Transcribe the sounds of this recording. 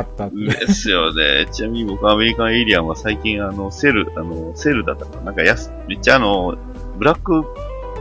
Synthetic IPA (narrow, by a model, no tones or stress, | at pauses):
ad̪esɨjo̞ne̞̰t͡ɕinamʲiɲibo̞kɯ̟ame̞ɾʲikãɰ̃e̞ɾʲiaasaikʲĩɰ̃ano̞se̞ɾɯ̟ano̞se̞ɾɯ̟d̪at̪ːakanãŋkajas | me̞t͡ɕːaːno̞ | bɯ̟ɾakːɯ̟